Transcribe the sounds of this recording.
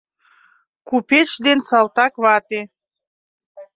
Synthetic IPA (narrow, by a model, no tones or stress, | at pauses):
kupet͡ʃd̪ensɑlt̪ɑkβɑt̪e